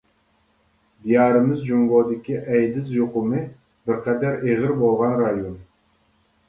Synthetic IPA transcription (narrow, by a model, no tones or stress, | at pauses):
d̪ijɑːɾɨmɪzd͡ʒumvod̪ɪkʲiʔɛjd̪ɪzjoqʊmɨ | bɪɾqʰɛd̪æɾeʁɪɾbolˠʁɑnɾɑjon